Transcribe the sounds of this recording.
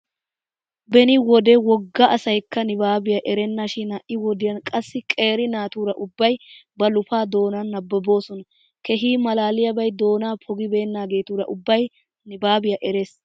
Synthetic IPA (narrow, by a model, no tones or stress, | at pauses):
bɛnɪwɔd̪ɛwɔɡːɐʔɐsɐjkːɐnɪbaːbɪjɐʔɛɾɛnːaʃɪnɐʔɪwɔd̪ɪjɐnkʼɐsːɪkʼe̞ːɾɪnaːt̪uːɾɐʔʊbːɐjbɐlʊfaːd̪o̞ːnɐnːɐbːɔbo̞ːsɔnɐ | kɛɦiːmɐlaːlɪjɐbɐjd̪o̞ːnaːpʰɔɡɪbe̞ːnːaːɡe̞ːt̪uːɾɐ̰ʔʊbːɐj | nɪbaːbɪjɐʔɛɾe̞ːs